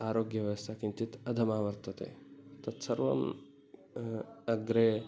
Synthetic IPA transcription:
aːɾoːɡjɐʋɐst̪ʰakĩnt̪it̪ɐd̪ʱɐmaːʋɐɾt̪ət̪ḛt̪ɐt̪sɐɾʋɐ̰m | ɐɡɾe

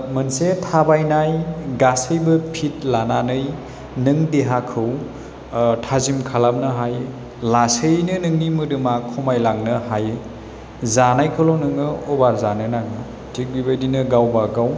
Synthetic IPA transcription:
mɯnsetʰabajnajɡasɯjbɯpʰit̚lananɯj | nɯŋdeɦakʰɯw | tʰazimkʰalap̚nɯɦaj | lasɯjnɯnɯŋnimɯdɯmakʰɔmajlaŋnɯɦaj | zanajkʰɯlonɯŋɯɔbaɾzanɯnaŋɯ | tʰik̚bibajdinɯɡawbaɡaw

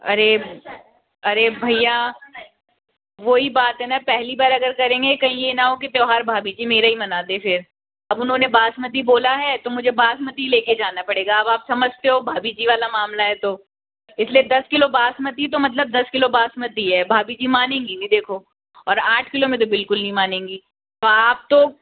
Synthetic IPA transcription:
ɐ̰ɾe | ɐɾebʱɐija | ʋoːɦibaːt̪ɦɛnapɛɦlibaːɾɐɡəɾkɐɾẽːŋɡekɐɦĩjenaɦokit̪joːɦaːɾbʱaːbid͡ʒimeːɾaɦimɐnaːd̪efɪɾ | ɐbʊnɦõnebaːsmət̪̬iboːlaɦɛt̪omʊd͡ʒʱebaːsmət̪ileːked͡ʒaːnapɐɽeːɡaɐbaːpsɐməd͡ʒʱt̪eɦobʱaːbid͡ʒiʋaːlamaːmlaɦɛt̪o | ɪslied̪ɐskɪlobaːsmət̪it̪̬omɐt̪̬ləb̚d̪ɐskɪlobaːsmət̪iɦɛːbʱaːbid͡ʒimaːnẽːŋɡiɡid̪eːkʰoː | ɔːɾaːʈʰkɪlomẽt̪̬obɪlkʊlnɐɦĩmaːnẽːŋɡi | t̪oaːp̚t̪o

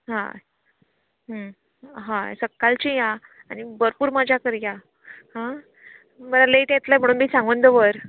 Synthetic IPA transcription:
ɦã̰ | ɦə | ɦã̰səkːalt͡ɕija | anibəɾpuːɾmad͡ʑʱjakəɾja | hã | mənaleʈjet̪lam̤əɽ̃uːnmiːsãŋɡund̪əʋəɾ

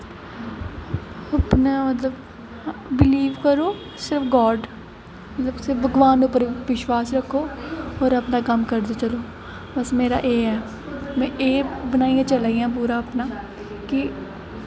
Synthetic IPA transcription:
əpnaːmət̪ləb | bɪliːʋkəɾoː | sɪɾəfɡɔːɖ | mət̪ləbsɪbəɡʋaːnd̪ʊpːəɾʋɪʃwaːsɾəkʰːoːɔːɾəpnaːkəmkəɾd̪eːt͡ʃəloː | bəsmeːɾa̰ːʔeːɛː | mɛ̃ːʔeːbənaːijãːt͡ʃəlaːiːjãːp̬uːɾaːəpnaː | kɪ

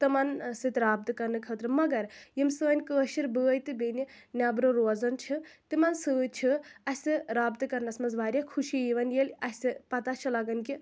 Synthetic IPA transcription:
t̪ɨmɐnsɨt̪ɾaːb̚t̪ɨkɐɾnɨkʰəːt̪ɾɨmɐɡɐɾjimsɨːnʲkəːʃiɾbəːjt̪ɨbeni | nʲaːbɾoɾoːd͡zɐnt͡ʃʰɨt̪imansɨːt͡ʃʰiɐsʲsɨɾaːbt̪ɨkɐɾnɐsmɐzʋaːɾʲjakʰuʃijiʋɐnjelʲɐsʲt̪ɨpɐt̪at͡ʃʰilaɡɐnki

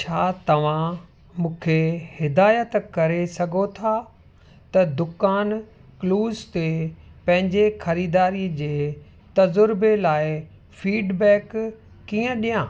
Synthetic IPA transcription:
t͡ɕʰaːt̪ɐʋ̤ã | mũːkʰehɪd̪aːjət̪kɐɾesɐɡʱot̪ʰa | t̪ɐd̪ʊkaːn | kluːzt̪epɐ̃ɦɪ̃ɲd͡ʑexɐɾiːd̪aːɾid͡ʑeː | t̪ɐzʊɾbelaːɪ | fiːɖbɛːkː | iːə̃ɗijãː

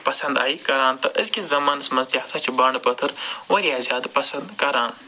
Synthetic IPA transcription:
pɐsɐ̃nd̪aːikɐɾaːnt̪ɐʔɪzkʲiszɐmaːnɐsmɐzd̪iaːsɐt͡ʃʰibaːɳɖpɐt̪ʰɨɾʋɐɾijaːzjaːd̪pɐsɐ̃nd̪kɐɾaːn

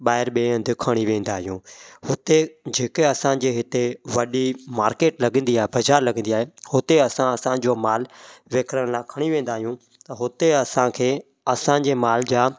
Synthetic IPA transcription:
ɓaːɦɪɾɓeːə̃nd̪ɪkʰɐɽ̃iʋẽːnd̪aːɦijũːhʊt̪ed͡ʑeːkeɐsãd͡ʑeːɦɪt̪eʋɐɗimaːɾkeːʈlɐɡə̃nd̪iaːɦebɐzaːɾlɐɡə̃n̆d̪iaːɦehʊt̪eɐsãɐsãd͡ʑoːmaːlʋeːkʰɾəɽ̃laːkʰɐɽ̃iʋẽːn̆d̪aːɦijũ | t̪ɐɦʊt̪eɐsãkʰeː | ɐsãd͡ʑeːmaːld͡ʑaː

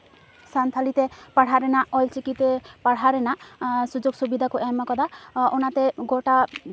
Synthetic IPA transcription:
sant̪ʰalit̪epaɽ̤aɾenaɔjlt͡ʃikit̪epaɽ̤aɾenasud͡ʒoɡsubid̪ʱakuʔamakɔd̪aunat̪eɡoʈa

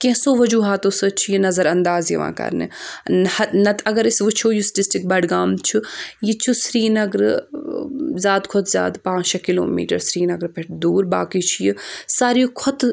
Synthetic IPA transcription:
kẽːsoːʋɐd͡ʒuːɦaːt̪osɨt͡ʃʰijinɐzɐɾɐnd̪aːzjiʋã̰ːkɐ̰ɾnḛhɐnɐt̪ɐɡɐɾɪsʋɨt͡ʃʰoːjusʈɪsʈɪk̚bɐɖɡaːmt͡ʃʰujit͡ʃʰusɾiːnɐɡɾ | zjaːd̪kʰɔt̪ʰzʲja̰ːd̪pãːt͡ʃɐkɪlo̰ːmḭːʈɐɾsɾiːnɐɡɾpeʈʰd̪uːɾba̰ːkit͡ʃʰijisaːɾijukʰɔt̪

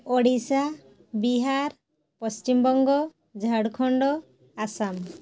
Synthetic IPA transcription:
ɔɽisa | biɦaɾ | pɔst͡ʃimbɔŋɡɔ | d͡ʒʱəɽkʰɔɳɖɔ | asam

